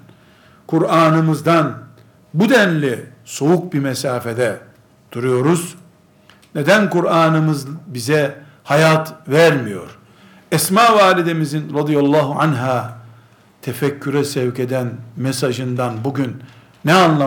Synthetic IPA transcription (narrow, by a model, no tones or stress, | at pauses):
kʰuɾaːnɯmɯzd̪an | bud̪ɛnlʲisouk̚bimɛsaːfed̪ɛ | d̪̥uɾujo̞ɾuz | ned̪ænkuɾaːnɯmɯzbizɛ | hajat̪ʰvæɾmijo̞̰ɾ | ɛsmaːvaːlʲid̪emizinɾɑd̪ijalˠːɑːɦuanɦa | t̪ʰɛfɛcʰːyɾɛsɛvced̪ænmesaʒɯnd̪anbuɟynː | ɛanlˠa